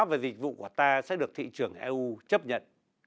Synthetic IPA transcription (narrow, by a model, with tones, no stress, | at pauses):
vaː˨˩zi˨˩k̟̚vṵ˧˨ku˧˩ət̪aː˧sɛ̰˧˥ɗɨ˨˩ək̚t̪ʰḭ˧˨t͡ɕɨ˨˧˩əŋʔɛ˧ʔu˧t͡ɕə˦˥p̚ɲə̰˧˨n